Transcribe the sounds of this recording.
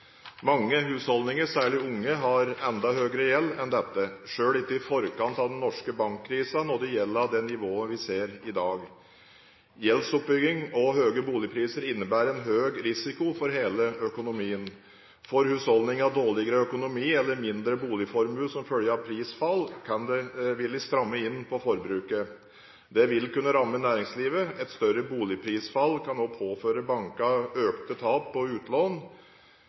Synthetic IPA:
mɑŋːəɦʉːshɔld̪ɪŋəɾsæːɭɪʊŋːəɦɑɾɛnd̪ɑɦøːɡəɾəjɛlːɛnd̪ɛt̪ːəʂøːlɪt̪ːəɪfɔɾkɑnt̪ɑʋd̪ɛnnːɔʂkəbɑŋkʰːɾiːsɑnɔd̪ɛjɛlːəɾɑʋd̪ɛnːɪʋoːəʋɪseːɾɪd̪ɑːɡ | jɛlsʊp̚bʏɡɪŋɔɦøːɡəbuːlɪpʰɾiːsəɾɪnːəbæːɾɛnɦøːɡɾɪsɪkʊfɔɾɦeːləœkʊnʊmiːən | fɔɾhʉːshɔld̪ɪŋɑʋd̪oːlɪɡəɾəœkʊnʊmiːɛlːəɾmɪnd̪ɾəbuːlɪfɔɾmʉːsɔmfœljəɾɑʋpʰɾiːsfɑlːkʰɑnd̪ɛʋɪlːɪst̪ɾɑmːəɪnːpʰɔfɔɾbɾʉːkə | d̪ɛʋɪlkʉnːəɾɑmːənæːɾɪŋsliːʋəɛt̪st̪œɾəbuːlɪpʰɾiːsfɑlːkʰɑnoːpʰoːføːɾəbɑŋkɑøːkt̪ət̪ʰɑːpːɔʉːt̪loːn

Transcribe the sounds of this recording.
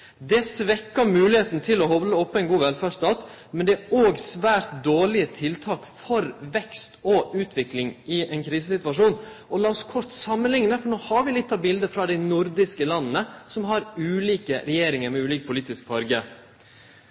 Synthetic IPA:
d̪ɛsʋɛkːɑmʉːlɪheːt̪nt̪ʰɪlɔɦɔblːəɔpːɔɛɪnɡuːʋɛlfæːʂt̪ɑːt̪ | mɛnd̪ɛæoːɡsʋæːɾt̪̚d̪oːɭɪət̪ʰɪlt̪ʰɑːkfɔɾʋɛkst̪ɔʉːt̪ʰʋɪklɪŋɪɛɪnkʰɾiːsəsɪt̪ʋɑʂuːn | ɔlɑːɔskʰɔɾt̪sɑmːənlɪŋnəfɔɳoːhɑɾʋɪlɪt̪ːɑbɪld̪əfɾɑːd̪æɪnʊɾd̪ɪskəlɑnːnəsɔmɦɑɾʉːliːkəɾɛjeːɾɪŋəɾmɛʉːliːk̚pʰʊliːt̪ɪskfɑɾɡə

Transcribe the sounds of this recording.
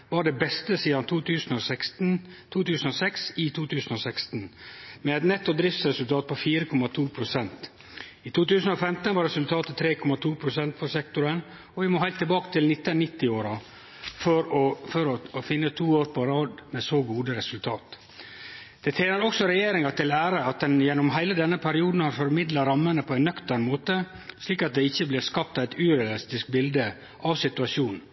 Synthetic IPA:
ʋɑɖɛbɛst̪əsiːd̪ɑnt̪ʰut̪ʉːsnɔsɛk̪n̩t̪ʰuːt̪ʉːsnɔsɛksɪt̪ʰuːt̪ʰʉːsn̩ɔsɛkst̪n̩mɛɛt̪nɛt̪ːɔd̪ɾɪft̪sɾɛsʉlt̪ʰɑːt̪̚pʰɔfiːɾəkʰɔmɑt̪ʰuːpʰɾʊsɛnt̪ | it̪ʰuːt̪ʉːsn̩ɔfɛmt̪ənʋɑɾɛsʉlt̪ʰɑːt̪ət̪ʰɾeːkʰɔmɑt̪ʰuːpʰɾʊsɛnt̪pʰɔsɛkt̪ʊɾən | ɔʋɪmɔɦæɪt̪ːɪlbɑːkə̥t̪ɪlnɪt̪ːənːɪt̪ːɪoːɾɑ | fɔɾɔfɔɾɔfɪnːət̪ʰuːoːɾpʰɔɾɑːd̪mɛsoːɡuːd̪əɾɛsʉlt̪ʰɑːt̪ | d̪̥ɛt̪ʰeːnəɾɔksɔɾɛjeːɾɪŋɑt̪ʰɪlæːɾəɑt̪̚d̪ɛnjɛnːʊmɦæɪləd̪ɛnːəpʰæɾɪuːd̪n̩hɑɾfɔɾmɪd̪lɑɾɑmːənəpʰɔæɪnœkt̪əɾnmoːt̪ə | sliːkɑt̪̚d̪ɛɪçːəblɪːɾskɑp̚t̪æɪt̪ʉɾɛɑlɪst̪ɪskbɪld̪ə | ʔɑʋsɪt̪ʉɑʃjuːnn̩

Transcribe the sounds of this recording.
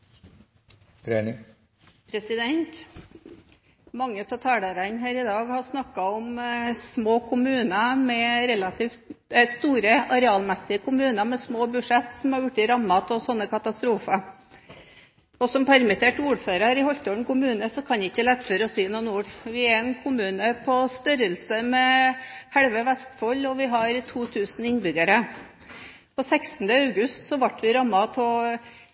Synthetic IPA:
ɾe | pʰɾɛsɪd̪ɛnt̪ | mɑŋːət̪ʰɔt̪ʰɑːlɑɾænɦæːɾɪd̪ɑːɡhɑʂnɑkːɑɔmsmoːkʰʊmʉːnɑmɛɾɛlɑt̪ʰiːft̪ɛst̪uːɾəʔɑɾɛɑːlmɛsːɪəkʰʊmʉːnɑmɛsmoːbʉʂɛt̪ːsɔmhɑɾjʊʈːɪɾɑmːɑt̪ʰɔsɔnːəkʰɑt̪ɑst̪ɾuːfɑ | ɔsɔmpʰæɾmɪt̪ʰeːʈuːɾføːɾɑɾɪhɔlt̪ɔɳ̩kʊmʉːnəsɔkʰɑnd̪ɛɪçːɛlɛt̪ːføːɾəɔsiːnuːnuːɾʋɪæɾɛnkʰʊmʉːnəpʰɔst̪œɾəlsəmɛhɛɽʋəʋɛst̪fɔlːɔʋɪɦɑɾt̪ʰuːt̪ʰʉːsn̩ɪnbʏɡəɾə | pʰɔsɛksn̩d̪əɑʉɡʉst̪sɔʋɑʈːʋɪɾɑmːɑt̪ʰɔ

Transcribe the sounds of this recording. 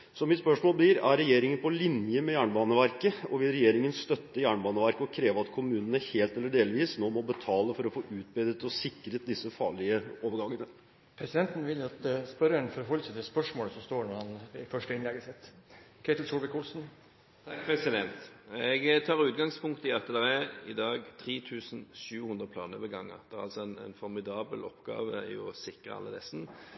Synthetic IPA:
sɔmːɪt̪spœʂmoːlblɪɾæɾːɛjeːɾɪŋənpʰɔlɪnjəmɛjæːɳbɑːnəʋæɾkəɔʋɪlɾɛjeːɾɪŋənst̪œt̪ːəjæːɳbɑːnəʋæɾkəɔkʰɾeːʋəɑt̪kʰʊmʉːnənəheːlt̪ɛlːəɖeːlʋiːsnoːmɔbət̪ʰɑːləfɔɾɔfoːʔʉːt̪̚bɛd̪ət̪ɔsɪkːɾət̪̚d̪ɪsːəfɑ̰ːɭɪəoːʋəɾɡɑŋːənə | pʰɾɛsɪd̪ɛnt̪n̩ʋɪlɑt̪spœɾɳfɔɾɦɔlːəsət̪ʰɪspœʂmoːləsɔmst̪oːɳɔɾhɑnɪfœʂʈəɪnlɛɡəsɪt̪ːkʰeɪt̪l̩sulbəkʰʊlsn | t̪ʰɑkpʰʁɛsɪd̪ɛnt̪ɛɡt̪ʰɑːʁʉːt̪̚ɡɑŋspʰʊŋk̚t̪ɪɑt̪ːəd̪ɛʁɛɪd̪ɑːɡt̪ʰʁiːt̪ʰʉːsn̩ɕʉːhʉnd̪ɾəpʰlɑːnəʋɛɡɑŋːə̰d̪ɛæɾɑ̰lsɔɛn̰nfɔɾmɪd̪ɑːbəlɔ̰pːɡɑ̰ːʋəɛ̰jʊ̰sɪkəɑ̰lːəd̪ɛ̰sn̩

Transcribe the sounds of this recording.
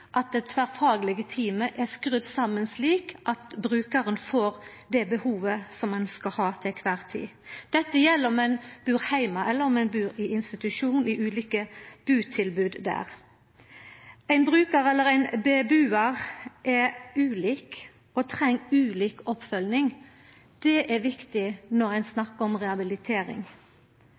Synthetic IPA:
ʔɑt̪̚d̪ɛt̪ʰʋæʁfɑːɡəlɪɡət̪ʰiːməʔɛskʁʉd̪sɑmənsliːkʔɑt̪bɾʉːkəʁənfoːɾd̪ɛbəhuːʋəsɔmɛnskɑhɑːt̪ʰɛkʰʋæːʁt̪ʰḭːd̪̥ɛt̪ːəjɛlːəɔmɛnb̥ʉːɾhæɪmɑʔɛlːəʁɔmɛnbʉːɾɪɪnst̪ɪt̪ʉʃuːnn̩ɪʔʉːliːkəb̥ʉːt̪ʰɪlbʉːd̪d̪æ̰ːʁ | æɪnbʁʉːkəɾɛlːəɾæɪnbebʉːəʁʔɛʉːliːk | ɔt̪ʰʁɛŋːʉːliːkɔpfœlnɪŋ | d̪̥ɛʔɛʋɪkt̪ɪnɔʁæɪnsnɑkːəɔmʁɛɑbɪlɪt̪ʰeːɾɪ̰ŋ

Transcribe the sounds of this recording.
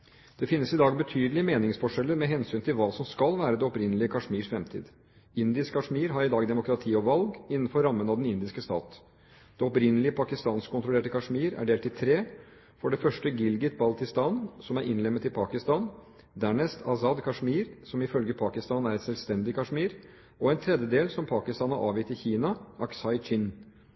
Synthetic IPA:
d̪̥ɛfɪnːəsɪd̪ɑːɡbət̪ʰyːd̪əlɪəmeːnɪŋsfɔʂɛlːəɾmɛɦɛnsyːnt̪ʰɪlʋɑːsɔmskɑlʋæːɾəd̪ɛɔpɾɪnːəlɪəkʰɑʂmiːʂfɾɛmt̪ʰḭːd̪ | ɪnd̪ɪskkʰɑʂmiːɾɦɑɾɪd̪ɑːɡd̪ɛmʊkɾɑt̪ʰiːɔʋɑlɡɪnːn̩fɔɾːɑmːənɑd̪ɛnɪnd̪ɪskəst̪ɑ̰ːt̪ | d̪̥ɛɔpɾɪnːəlɪəpʰɑkɪst̪ɑːnskʰʊnt̪ɾʊleːʈəkʰɑʂmiːɾæ̰ɖeːlt̪ɪt̪ʰɾeː | fɔɖɛfœʂʈəɡɪlɡɪt̪̚bɑlt̪ɪst̪ɑːnsɔmæɾʔɪnlɛmːət̪ɪlpʰɑːkɪst̪ɑːn | d̪æːɳɛst̪ʰɑsɑd̪kʰɑʂmiːɾsɔmɪfœlɡəpʰɑːkɪst̪ɑːnæɾɛt̪sɛlst̪ɛnd̪ɪkʰɑʂmiːɾ | ɔɛnt̪ʰɾɛd̪jəd̪eːlsɔmpʰɑːkɪst̪ɑːnɑʔɑːʋjɪt̪ːɪçiːnɑʔɑksɑɪt͡ʃɪn

